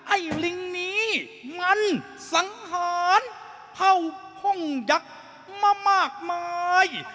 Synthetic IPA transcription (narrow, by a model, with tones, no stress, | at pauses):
ʔa˧˩jli˧ŋniː˦˥ | ma˧˥n | sa˨˦ŋhaː˨˦n | pʰa˧˩wkʰɔ˧˥˩ŋja˧˦k̚ | maː˧maː˥˩k̚maː˧j